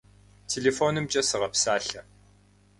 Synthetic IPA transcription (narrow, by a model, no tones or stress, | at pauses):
tʰeːɮeːfoːnɨmt͡ʃʼɐsɨʁɐpsaːɬɐ